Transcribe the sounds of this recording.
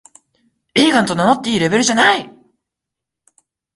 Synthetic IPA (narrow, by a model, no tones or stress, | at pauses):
eːɡãnt̪o̞nano̞t̪ːeiːɾe̞be̞ɾɯ̟ʑanai